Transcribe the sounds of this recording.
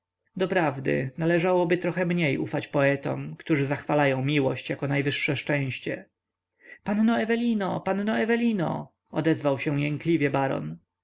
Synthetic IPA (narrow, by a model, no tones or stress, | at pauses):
d̪ɔpɾavd̪ɘ̰nalɛʐawɔbɘt̪ɾɔxɛmɲejʔufat͡ɕpɔɛt̪ɔ̰mkt̪uʐɘzaxfalajɔ̃w̃mʲiwɔɕt͡ɕjakɔnajvɘʂːɛʂt͡ʂɛ̃w̃ɕt͡ɕɛ | pannɔɛvɛlʲinɔpannɔɛvɛlʲinɔ̰ | ɔd̪ɛzvawɕɛw̃jɛŋklʲivʲjɛbaɾɔ̰n